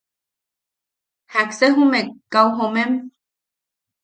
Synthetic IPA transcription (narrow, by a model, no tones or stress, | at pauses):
hakseɦumekawɦomem